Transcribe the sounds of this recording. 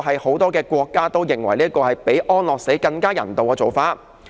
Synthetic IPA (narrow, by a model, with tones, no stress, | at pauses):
ɦɐ˨jho˨˥wt̪ɔː˥kɛː˧kʷɔː˧kːaː˥t̪o˥wjɪ˨ŋwɐ̰˨˩jliː˥kɔː˧hɐ˨jpe˨˥jʔɔː˥nlɔː˨k̚se˨˥jkɐ˧ŋkaː˥jɐ̰˨˩nt̪o˨wkɛː˧t͡so˨wfaː˧t̚